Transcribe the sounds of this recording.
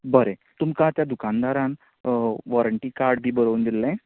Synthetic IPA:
bəɾet̪umkãt̪jad̪ukand̪aɾãn | ʋɔɾəɳʈiːkaɾɖbʱiːbəɾəwund̪ilːẽ

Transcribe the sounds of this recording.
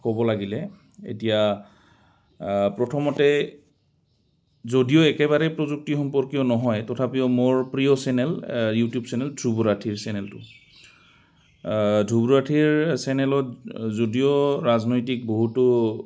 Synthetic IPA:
kɔbɔlaɡilɛ | ḛtija | pɹɔtʰɔmɔtɛ | zodijoɛkɛβaɹɛpɹozuk̚tixɔmpɔɹkijɔnɔɦɔjtɔtʰapijɔmoɹpɹijɔsɛnɛljutijubsɛnɛldʱɹubuɹatʰiɹsɛnɛltʊ̰ | dʱubuɹatʰiɹsɛnɛlɔtzodijoɹaznojtik̚boɦutʊ

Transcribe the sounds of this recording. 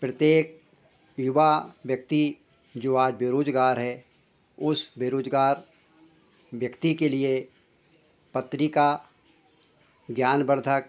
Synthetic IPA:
pɾət̪jeːk̚ | jʊʋaʋjək̚t̪i | d͡ʒoːaːd͡ʒbeːɾoːd͡ʒɡaːɾɦɛ | ʊsbeɾoːd͡ʒɡaːɾ | ʋjəkt̪ikelie | pət̪ɾika | ɡjaːnbəɾd̪ʱək

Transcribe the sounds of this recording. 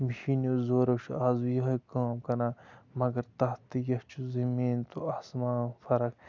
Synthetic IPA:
miʃinjozoːɾoʃaːzujɐɦekaːmkɐnaːmɐɡɐɾt̪ɐɦt̪ijɐht͡ʃʰuzɐmiːnt̪uɐsmaːnfɐɾɐk

